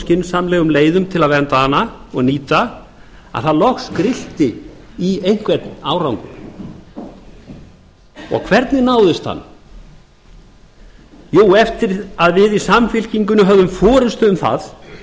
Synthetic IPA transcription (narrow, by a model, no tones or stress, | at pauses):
scɪnsamlɛːɣʏmleːjðʏmt̪ʰɪlaðvɛnt̪ahanːaɔɣniːt̪a | a̰ðθaðlɔxskɾɪl̥t̪ɪ | iejŋ̥kvɛt̪naːwɾawŋkʏm | ɔ̰ɣkʰvɛɾt̪nɪnaːwðɪst̪ha̰nː | joːwɛft̪ɪɾaðvɪðisamfɪl̥ciŋkʏnʏɦœvðʏmfɔːɾʏst̪ʏʏmθa̰ð